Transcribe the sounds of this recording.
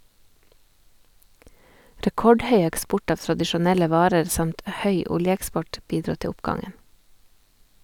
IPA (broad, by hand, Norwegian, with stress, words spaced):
ɾɛˈkɔɖˌhœʏ ɛkˈspʊʈ ˈɑːʋ tɾɑdɪʃʊˈnɛlə ˈʋɑːɾəɾ ˈsɑmt ˈhœʏ ˈʊljəɛkˌspɔʈ ˈbiːdɾuː ˈtɛ ˈʊpɡɑŋən